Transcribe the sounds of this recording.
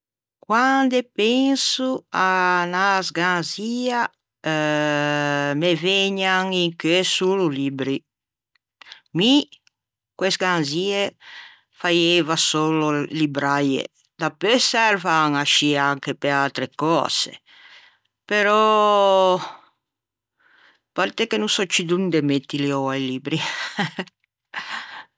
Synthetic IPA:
kwand̪epeŋsuanasɡanzia | meveɲaŋiŋkesululibɾi | mi | kwesɡanzie | fajevasoːlolibɾajḛ | d̪apøsɛɾvaŋaʃiaŋkepealt̪ɾekɔ̰ːz̥ḛ | peɾɔ | paɾt̪ekenusɔt͡ʃid̪und̪emet̪ːiliɔajlibɾi

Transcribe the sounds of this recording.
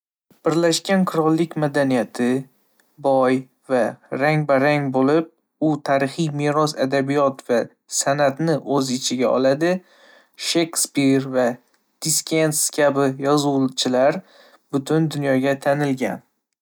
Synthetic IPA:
b̥ɪɾlaʃkʲanqʰʊɾɒlˠːɪkʲmad̪anijat̪ʰɪ | bɒj | vaɾaŋbaɾaŋbolɪp̚ | ʊt̪ʰaɾɪχijmeɾɒsad̪abijɒt̪va | sanat̪nɪʔɵzɪt͡ʃʰɪɡʲaɒ̰lˠad̪ɪ | ʃe̞kspiɾva | d̪̥iskʲʰenskʲʰabɪjɒzut͡ʃʰɪlaɾ | bʊt̪ʰʊnd̪ʊnjɒɡʲat̪ʰanɪlɡʲa̰n

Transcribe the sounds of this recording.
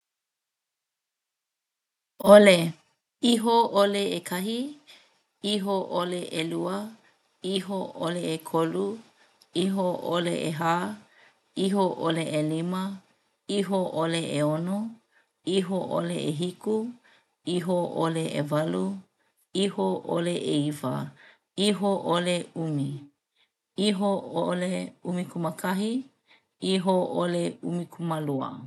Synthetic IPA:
ole | iɦooleekʰɐɦi | iɦoʔoleʔeluə | iɦoʔoleekʰolu | iɦoʔolḛʔeɦaː | iɦoʔoleʔelimɐ | iɦoʔoleeono | iɦoʔo̰leʔeɦiku | iɦoʔoleʔḛvɐlu | ihoʔoleʔeivɐ̰ | iɦoʔoleumi | iɦooleumikuməkʰɐɦi | iɦoʔoleumikʰumaluɐ̰

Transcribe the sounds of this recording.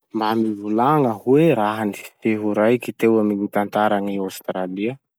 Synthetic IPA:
mbamivulaŋəɦweɾaɦanifi̥feɦuɾajkit̪ewaminit̪ant̪aɾaŋiawst̪ɾaliə

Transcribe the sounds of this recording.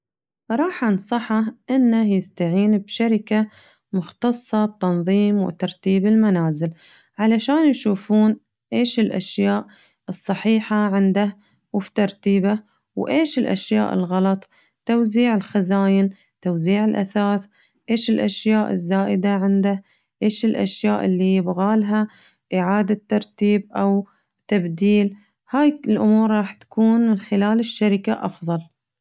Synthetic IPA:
ɾˤɑːħʔansˤɑħaʔɪnːahjɪst̪aʕiːnbʃaɾɪka | mʊxt̪ɑsˤːɑb̚t̪ɑnðˤiːmwɪ̰t̪ɑɾˤt̪iːbɪlmanaːzɪl | ʕalaʃaːnjʃuːfuːn | ʔeːʃɪlʔa̰ʃjaːʔ | ɨsˤːɑħiːħaʕɪnd̪ah | wft̪ɑɾˤt̪iːba | wʔeːʃɪlʔa̰ʃjaːʔɪ̰lɣɑlɑt̪ˤ | t̪owziːʕɪlxazaːjɪn | t̪owziːʕɪlʔa̰θaːθ | ʔeːʃɪlʔaʃjaːʔɪ̰zːaːʔɪd̪aʕɪnd̪a | ʔeːʃɪlʔa̰ʃjaːʔɪlːibɣaːlɦa | ʔɪʕaːd̪at̪ːɑɾˤt̪iːbʔaw | t̪abd̪iːl | haːjlʔʊmuːɾɾˤɑːħt̪kuːnmɪnxɪlaːlɪʃːaɾɪkaʔɑfðˤɑl

